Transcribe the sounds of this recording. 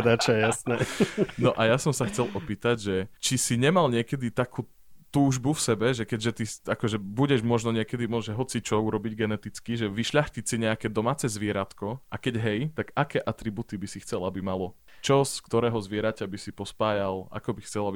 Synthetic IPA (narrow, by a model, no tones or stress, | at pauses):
d̪at͡ʃajasnɛnɔʔajasɔmsaxt͡sɛlɔpiːt̪aɟʒɛt͡ʃisiɲɛmalɲɪɛkɛd̪it̪akʰuː | t̪uːʒbufsɛbɛʒɛkɛɟʒɛt̪iakɔʒɛbuɟɛʒmɔʒnɔɲɪɛkɛd̪imɔʒɛɦɔt͡sit͡ʃɔuɾɔbiɟɡɛnɛt̪it͡skiʒɛʋiʃʎaxcicsiɲɛakɛːd̪ɔmaːt͡sɛzʋɪɛɾat̪kɔʔakɛɟɦɛjt̪aɡakɛːʔat̪ɾibut̪ibisixt͡sɛlabimalɔ | t͡ʃɔskt̪ɔɾɛːɦɔzʋɪɛɾacabisipɔspaːjala̰kɔbixt͡sɛlabi